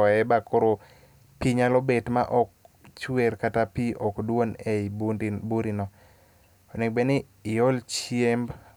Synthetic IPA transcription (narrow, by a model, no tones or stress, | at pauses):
ɔɛbakoɾo | piɲalobetmaʔɔk̚t͡ʃwɛrkatapiʔɔkdwonɛibndbuɾinɔ | ɔnɛk̚bɛnɪː | ɔlt͡ʃjemb